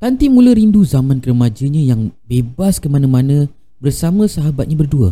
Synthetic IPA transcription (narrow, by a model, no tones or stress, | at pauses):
t̪ant̪imũləɾinduzamãnkəɾəmad͡ʒəɲãjaŋbebaskəmanə̃mãnə̃ | bərsamə̃səɦabat̪̚ɲãbərduə̰